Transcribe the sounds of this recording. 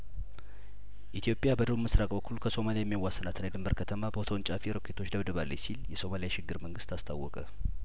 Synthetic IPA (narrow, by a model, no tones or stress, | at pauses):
ʔit̪ʰijo̞pʼjabəd̪əβumɨsɾakʼbəkʰːulkʰəso̞malijajɛmːjawːasːənat̪ʰɨnajd̪ɨmbəɾkʰət̪ʰəmabəot̪ʰəwnt͡ʃʼafeɾokʰːe̞t̪ʰo̞t͡ʃːd̪əβd̪əβalːəjsiljɛso̞malijaʃɪɡːɨɾməŋɡɨst̪ast̪ʰa̰wːɔkʼə